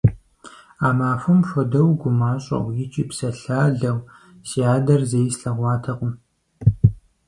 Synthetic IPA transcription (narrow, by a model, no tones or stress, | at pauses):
aːmaːfʊmʃʷɔdɐwɡʷʊmaːɕʼɐ̰wjɪt͡ʃʼiːpsɐɬaːɮɐw | siaːdɐrzejsɬɐʁʷɑːtʰɐqʷʊm